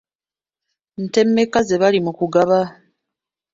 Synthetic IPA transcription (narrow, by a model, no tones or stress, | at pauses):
n̩te̞mːe̞kaze̞βalimukuɡaβa